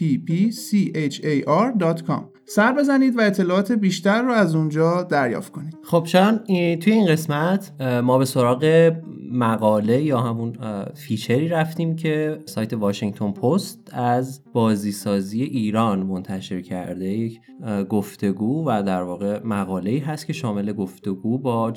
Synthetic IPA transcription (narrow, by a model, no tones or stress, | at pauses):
pipʰisiʔet͡ʃʰejʔɒɾd̪ɒːt̪kʰɒ̰ːm | sæɾbe̞zæniːd̪væe̞t̪ʰːe̞lɒːɒːt̪ʰe̞biːʃt̪æɾːʊæzund͡ʒɒːd̪æɾjɒ̰ːft̪̚kʰo̞niːd̪̥χob̥t͡ʃʰeɾɒnit̪ʰuje̞inɢe̞smæt̪ʰmɒːbeso̞ɾɒːɣe̞mæɣɒːle̞jɒːhæmunfiːt͡ʃʰeɾiːɾæft̪iːmcʰe̞sɒːjt̪ʰe̞vɒːʃiŋt̪ʰo̞npʰost̪æzb̥ɒːziːsɒːzije̞ʔiːɾɒːnmont̪ʰæʃe̞ɾcʰæ̰ɾd̪eje̞cʰ | ɡoft̪e̞ɡuːvæd̪æɾvɒːɣe̞mæɣɒːle̞iːɦæst̪̚cʰe̞ʃɒːme̞le̞ɡo̞ft̪e̞ɡuːbɒː